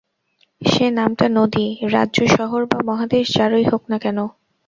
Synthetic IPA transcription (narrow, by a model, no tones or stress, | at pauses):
ʃenamʈanod̪iɾa̰dːʑoʃɔɦoɾbamɔɦad̪eʃd͡ʑaɾojɦoknakɛno